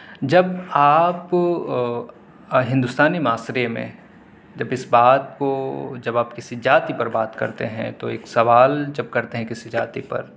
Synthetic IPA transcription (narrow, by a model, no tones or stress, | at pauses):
d͡ʒɐbaːp | ɦɪ̃nd̪ʊst̪aːnimaːsɾemḛ̃ | d͡ʒɐbɪsbaːd̪̚kod͡ʒɐbaːpkɪsid͡ʒaːt̪ipɐɾbaːt̪kɐ̰ɾt̪ḛɦɛ̰̃t̪oeːksɐʋaːld͡ʒɐb̚kɐɾt̪eɦɛ̃kɪsid͡ʒaːt̪ipɐ̰ɾ